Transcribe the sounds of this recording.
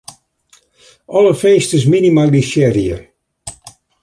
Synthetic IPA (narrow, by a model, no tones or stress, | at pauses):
ɔləfenstəs̬minimalˠiʃɛɾjə̰